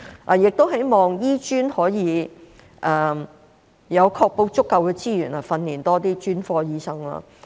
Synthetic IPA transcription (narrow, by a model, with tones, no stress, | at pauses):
ʔa˨˧jɪ˨k̚t̪o˥wɦe˨˥jmɔː˨ŋjiː˥t͡ʃyː˥nhɔː˨˥jiː˨˧ | ʔɐː˨ | jɐ˨˧wkʰɔː˧k̚po˧wt͡sʊ˥kːɐ˨˧wkɛː˧t͡siː˥jyː˨˩nɐ˨˩fɐ˧nliː˨˩nt̪ɔː˥t̪̬iː˥t͡ʃyː˥nfɔː˧jiː˧˥sɐ˥ŋla̰ː˧